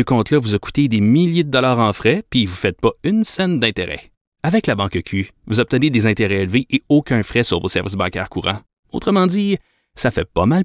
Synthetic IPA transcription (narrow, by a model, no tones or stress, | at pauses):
əkɔ̃t̪lʌvuzaku̥t̪ed̪emiljed̪əd̪ɔlaːʁɑ̃fʁɛpivufɛt̪̚pʌynsɛnd̪ɛ̃t̪eʁɛ̰ | avɛklabɑ̃kəkʲʰyvuzɔb̚t̪əned̪ezɛ̃t̪eʁɛelveʔeokʲɜ̃fʁɛsyʁvosɛ̰ʁvɪsbɑ̃kʲɛ̰ːʁkuːʁɑ̰̃ | o̰t̪χəmɑ̃d̪i | safɛpʌmal